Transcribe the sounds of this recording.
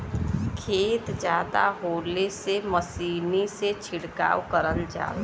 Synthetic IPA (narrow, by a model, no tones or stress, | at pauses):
kʰeːt̪d͡ʒaːd̪a̰ɦoːleseməsiːniset͡ʃʰɪɽka̰ːwkəɾəld͡ʒa̰ː